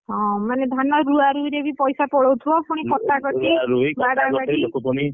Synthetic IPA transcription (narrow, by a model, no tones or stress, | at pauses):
ɦɔ̃maned̪ʱanɔɾuaɾuiɾebipɔjsapɔɽɔwt̪ʰuɔpuɽ̃ikɔt̪akɔʈiaɾujbaɽaɡaɽilokupɔɽ̃i